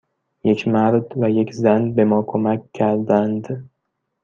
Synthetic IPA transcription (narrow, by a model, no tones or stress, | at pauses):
je̞kʰmæɾd̪væjekʲʰzænbe̞mɒːkʰomækʲʰːæɾd̪ænd̪